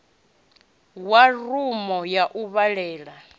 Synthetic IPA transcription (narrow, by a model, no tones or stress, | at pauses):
warumɔjaʔuβaɺɛːɺa